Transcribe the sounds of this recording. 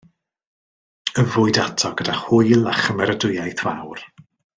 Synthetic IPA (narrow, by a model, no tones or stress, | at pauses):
əvʊɨdatʰɔɡ̥ədaχhʊjlˠaχəmɛɾədʊjajθvawr